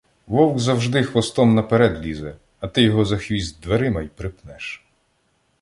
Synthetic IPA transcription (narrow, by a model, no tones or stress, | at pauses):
ʋɔwɡzɐwʒd̪ɪxʋɔst̪ɔmnɐpeɾɛd̪lʲizɛ | ɐt̪ɪjɔɦɔzɐxʋʲizʲd̚ʲd̪ʋeɾɪmɐjpɾɪpnɛʃ